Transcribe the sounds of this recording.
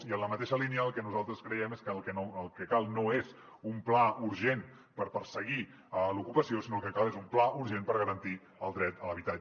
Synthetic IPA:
iənləmət̪eʃəliniəːlˠkɛnuzalˠt̪ɾəskɾəjɛmeskəlkɛnoəlˠkəkalˠnoez | umplauɾʒen | pəɾpəɾsəɣi | əlukupəsiosinoəlkəkalˠezumplaʔuɾʒenpəɾɣəɾənt̪i | əlˠd̪ɾɛt̪ələβit̪a

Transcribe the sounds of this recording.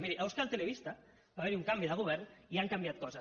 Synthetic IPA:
miɾiʔawskalt̪eleβist̪a | baβeɾiuŋkambiðəɣ̞uβ̞ɛɾniaŋkambjat̪̚kɔza

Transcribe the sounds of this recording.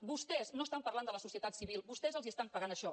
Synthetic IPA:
bust̪ɛznoəst̪ampərland̪ələsusiət̪at̪siβilˠbust̪ɛzəlˠziəst̪aɱpəɣanəʃɔ

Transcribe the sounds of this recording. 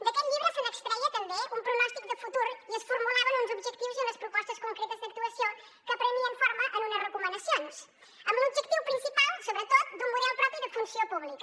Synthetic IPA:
d̪ɐkeʎʎiβɾusẽnɐkst̪ɾaiɐt̪ɐmbeʔumpɾunɔʃt̪ik̚d̪əfut̪uɾuiɐsfuɾmulaβɐnũnzubʒek̚t̪ivuzenɐspɾupɔʃt̪ɐskõŋkɾet̪ɐzd̪ɐk̚t̪uɐsjõ | kəpɾəmiɐ̃ɱfoɾmɐʔɐnũnɐzrəkumɐ̃nd̪ɐsjõns | ɛmluβʒekt̪iwupɾĩnsipalˠsoβɾət̪ot̪d̪umuɾɛlˠpɾɔpɾjuðɐfũnsiopuβlikɐ

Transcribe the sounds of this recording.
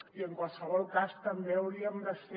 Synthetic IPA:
iəŋkwalˠsəβɔlˠkast̪əmbeəwɾiəmd̪əse

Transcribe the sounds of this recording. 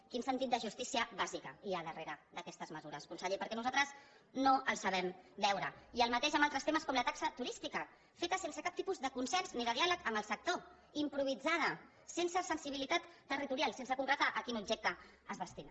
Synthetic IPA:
kinsənt̪it̪̚d̪əʒust̪isiəβazikəiəðəreɾəd̪əkɛst̪əzməzuɾəskunsəʎepəɾkɛnuzalt̪ɾəz | noʔəlˠsəβɛmbɛwɾəiəlˠmət̪eʃəmbalˠt̪ɾəst̪eməskɔmlət̪aksət̪uɾist̪ikə | fet̪əsensəkap̚t̪ipuzðəkunsɛnzniðəðialəkəmbəlˠsək̚t̪o | impɾuβ̞id͡zað̞ə | sensəsənsiβilit̪at̪ːərit̪uɾialˠsensəkuŋkɾət̪aʔəkinubʒek̚t̪ə | əzðəst̪ina

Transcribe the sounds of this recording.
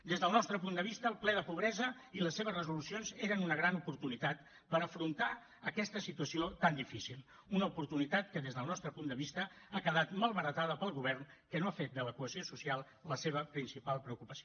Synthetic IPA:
d̪ezðəlˠnɔst̪ɾəpund̪əβist̪əːlˠplɛðəpuβɾɛzəiləsːeβ̞əzrəzulusionzeɾənunəɣ̞ɾanupuɾt̪unit̪at̪ | pəɾəfɾunt̪a | əkɛst̪əsit̪uəsiot̪and̪ifisilˠ | unəupuɾt̪unit̪at̪kəðezðəlˠnɔst̪ɾəpund̪əβist̪əakəðat̪malˠβəɾət̪aðəpəlˠɣuβ̞ɛrnkənoafet̪̚d̪ələkuəziosusialˠ | ləseβ̞əpɾinsipalˠpɾəukupəsio

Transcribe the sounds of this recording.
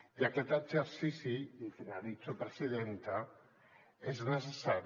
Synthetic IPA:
iakɛt̪əd͡ʒeɾsisiifinaðit͡ʃopɾəsiðent̪a | eznəs̬esaɾ

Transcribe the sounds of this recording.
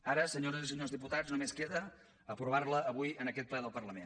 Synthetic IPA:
aɾəsəɲoɾəzisəɲozðiput̪ad͡zznumeskeðə | əpɾuβ̞arləːβujənəkɛt̪̚plɛðəlˠpərləmen

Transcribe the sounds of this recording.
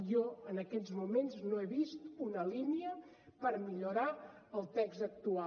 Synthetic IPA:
jɔənəkɛzmumenznoeβist̪unəliniə | pəɾmiʎuɾaəlˠt̪ɛkzək̚t̪ua

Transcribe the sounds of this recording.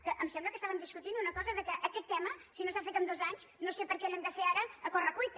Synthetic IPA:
kəʔəmsemblˠəkəst̪aβəmd̪iʃkut̪ind̪unɐkɔzɐðəkəʔɐkɛt̪ːɛmɐsinõsafejt̪omd̪ozaɲʃnõsepəɾkelɛmd̪əfeaɾɐːkorɐkujt̪

